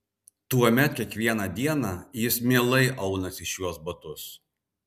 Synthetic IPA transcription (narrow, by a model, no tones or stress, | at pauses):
t̪uɔmʲɛt̪̚kʲiɛkʋʲiɛnɑd̪ʲiɛnɑjɪsmʲeːlˠɐɪʔɐʊnɐsɪʃjuɔsbɐt̪ʊs